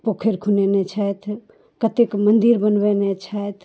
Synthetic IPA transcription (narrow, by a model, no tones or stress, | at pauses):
pokʰeɾkʰunenet͡ʃʰaet̪ʰ | kət̪ekmənd̪iɾbənbɛnet͡ʃʰaet̪ʰ